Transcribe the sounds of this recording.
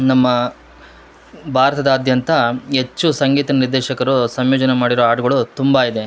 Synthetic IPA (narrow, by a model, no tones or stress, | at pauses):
nɐmːɐ | bʱaːɾɐt̪ɐd̪ɐːd̪ʱjɐnt̪ɐɦe̞t͡ʃːusɐŋɡiːt̪ɐɐniɾd̪ɛːʃɐkɐɾusɐmjoːd͡ʒɐnemaːɽiɾoaːʈuɡɐɭut̪umbaid̪e̞